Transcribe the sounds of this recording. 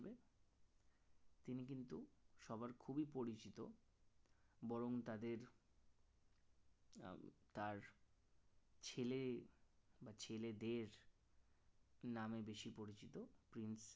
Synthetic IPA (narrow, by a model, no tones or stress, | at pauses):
be | t̪inik̬int̪uʃɔbaɾkʰubipoɾit͡ɕit̪o | bɔɾoŋt̪ad̪eɾ | t̪aɾ | t͡ɕʰele | bat͡ɕʰeled̪eɾ | namebeʃipoɾit͡ɕit̪opɾins